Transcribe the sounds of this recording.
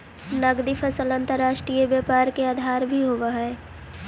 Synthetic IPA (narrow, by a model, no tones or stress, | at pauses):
nɐɡd̪ifʰəsələ̃nt̪əɾːaːʃʈɾiːjəbjəːpaːɾkeaːd̪ʱaːɾbʱiɦoʋaɦɛː